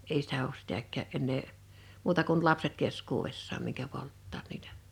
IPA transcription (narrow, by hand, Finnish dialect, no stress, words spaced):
ei sitæ oːs sitækˑæːʔ ʔenːeː muːtɑ kun lɑpset keskuːʋesːɑːm miŋkæ poltːɑːt niːtæ̥